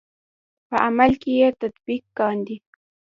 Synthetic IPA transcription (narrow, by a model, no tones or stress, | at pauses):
pəʔamalkɪjet̪at̪bikːɑnd̪i